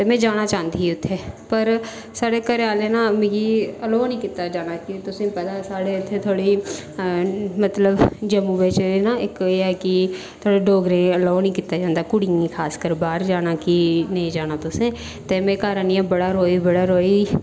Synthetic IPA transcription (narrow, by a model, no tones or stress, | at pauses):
t̪emẽd͡ʒaːñat͡ʃãːnd̪iʊt̪ʰːeːpəɾ | saːɽekəɾeaːlenamẽɡiɐloːnĩkɪt̪ːad͡ʒaːnakit̪ʊsẽpɛd̪asaːɽeʊt̪ʰːet̪ʰoːɽi | mɐt̪ləbd͡ʒəmũbeːt͡ʃenaekeɛki | t̪ʰoːɽeɖoːɡɾẽɐloːnĩkɪt̪ːad͡ʒãːnd̪akʊɽɪŋɡĩkʰaːskəɾbaːɾd͡ʒaːnakinɐĩd͡ʒaːnat̪ʊsẽ | t̪emẽkaːɾənijãbɐɽaɾoːibɐɽaɾoːi